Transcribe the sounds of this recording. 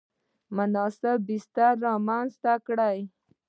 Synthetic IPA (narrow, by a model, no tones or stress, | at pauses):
mənɑːsəbist̪aɾːɑmanst̪akɽaj